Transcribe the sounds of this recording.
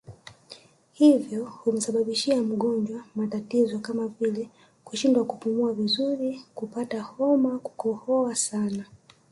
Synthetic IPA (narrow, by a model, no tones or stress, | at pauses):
hivjɔhum̩saɓaɓiʃiam̩ɠɔnd͡ʒwamatatizɔkamavilɛ | kuʃindwakupumuavizuɾikupatahɔmaku̥kɔhɔasana